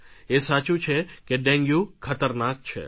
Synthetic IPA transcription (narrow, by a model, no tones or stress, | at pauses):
esat͡ʃũt͡ʃʰekeɖɛ̃ŋɡjũkʰət̪əɾnak̚t͡ʃʰḛ